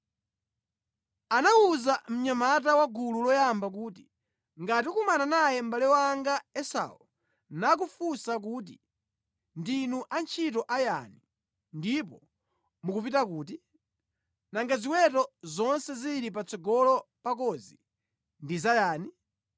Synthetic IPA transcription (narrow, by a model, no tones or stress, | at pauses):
anawuzam̩ɲamatawaɡululɔjambak̬uːti | ŋɡat̬iukumananajɛm̩balɛwaːŋɡaɛsa̰ɔ | nak̬ufusak̬uːt̬ḭ | ndinuʔant͡ʃʰitɔʔaja̰ni | ndip̬ɔ | mukupitak̬uːti | naŋɡaziwɛtɔzɔnsɛziɾip̬at͡sɔɡɔlɔpak̬ɔzḭ | ndizajaːni